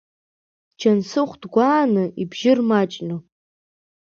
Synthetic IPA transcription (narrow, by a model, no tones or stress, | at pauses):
d͡ʒansɨχʷdɡʷaːnɨibʒɪrmat͡ʃʼnɨ